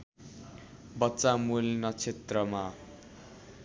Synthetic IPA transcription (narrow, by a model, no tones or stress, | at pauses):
bʌtːt͡samulnʌt͡sʰet̪rʌma